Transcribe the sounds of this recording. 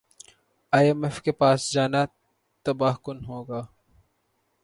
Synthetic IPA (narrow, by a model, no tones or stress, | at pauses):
aːjemefkepaːsd͡ʒaːna | t̪ɐbaːkʊnɦoːɡaː